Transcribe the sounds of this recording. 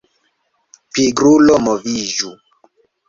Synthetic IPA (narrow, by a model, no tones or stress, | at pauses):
piɡɾulɔmɔviʒu